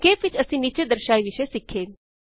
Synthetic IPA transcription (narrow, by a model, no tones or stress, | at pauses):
kefit͡ʃəsĩːnit͡ɕed̪əɾʃajʋiɕesikʰːeːl